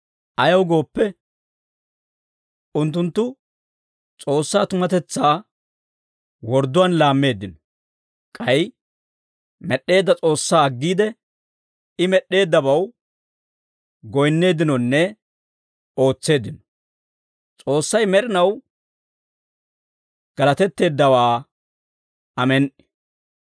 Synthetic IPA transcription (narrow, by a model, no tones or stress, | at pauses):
ʔɐjɐwɡo̞ːpːɛ | ʊnt̪̬ːʊnt̪ːʊ | t͡sʼo̞ːsːaːt̪ʊmɐt̪ɛt͡sːaː | wɔɾd̪ːʊwɐːnlaːmːe̞ːd̪ːɪnɔ̥ | kʼɐj | mɛɗːe̞ːd̪ːɐt͡sʼo̞ːsːaːɐɡːiːd̪ɛ | ɪmɛɗːe̞ːd̪ːɐbɐw | ɡɔjnːe̞ːd̪ɪnɔnːɛ | o̞ːt͡sːe̞ːd̪ɪnɔ̥ | t͡sʼo̞ːsːɐjmɛɾɪnɐw | ɡ̥ɐlɐt̪ɛt̪ːe̞ːd̪ːɐwaː | ɐmɛn